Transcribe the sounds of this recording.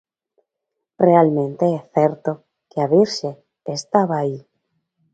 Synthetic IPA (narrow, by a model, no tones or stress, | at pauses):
realmẽnt̪eeθeɾt̪o | keaβiɾʃeː | st̪aβaːi